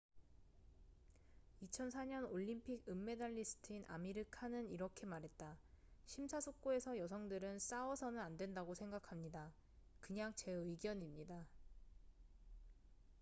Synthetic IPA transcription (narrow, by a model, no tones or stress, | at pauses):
it͡ɕʰʌnsʰaɲʌnoʎːimpʰiɡɯmːe̞daʎːisʰɯ̥tʰɯinʔa̰miɾɯkʰanɯniɾʌkʰe̞maɾɦe̞t̚t͈a | ɕʰimsʰasʰok̚k͈oe̞sʰʌjʌs̬ʰʌŋdɯɾɯns͈awʌsʰʌnɯnandwendaɡosʰe̞ŋɡakʰamɲida | kɯɲaŋt͡ɕe̞ɯjɡjʌɲimɲida